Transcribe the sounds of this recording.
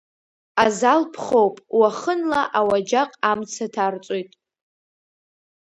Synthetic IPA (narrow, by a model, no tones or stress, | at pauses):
azalpʰχowpʼwaχənlaʔawad͡ʒaqʼamt͡sʰatʰart͡sʼojtʼ